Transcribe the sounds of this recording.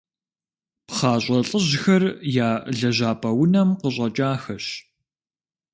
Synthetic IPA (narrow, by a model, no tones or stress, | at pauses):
pχaːɕʷʼɐɬʼəʑxɐrjaːɮɐʑaːpʼɐwʊnɐmqəɕʼɐt͡ʃʼaːxɐɕ